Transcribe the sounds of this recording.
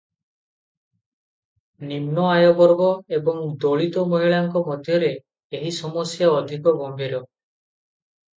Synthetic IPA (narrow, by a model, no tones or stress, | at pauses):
nimnɔajɔbɔɾbɔebɔŋd̪oɭit̪ɔmɔɦiɭaŋkɔmɔd̪ʱjɔɾeː | ɦisɔmɔsjaɔd̪ʱikɔbɔmbiɾɔ